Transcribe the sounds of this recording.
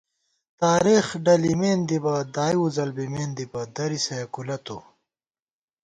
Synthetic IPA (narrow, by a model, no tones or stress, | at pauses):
t̪aːɾiːxɖɐlimeːnd̪ibɐd̪aːjuzɐlbimeːnd̪ibɐd̪ɐɾisɐjɐkulɐt̪ṵ